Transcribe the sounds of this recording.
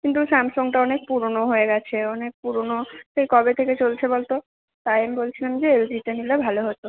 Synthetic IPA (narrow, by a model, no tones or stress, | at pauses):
kint̪usɛmsoŋʈaɔnek̚puɾnoɦoeɡɛt͡ɕʰeɔnek̚puɾonoʃejkɔbet̪ʰeket͡ɕolt͡ɕʰebɔlt̪o | t̪ajamibolt͡ɕʰilamd͡ʑeeɾod͡ʑit̪enilebʱaloɦot̪o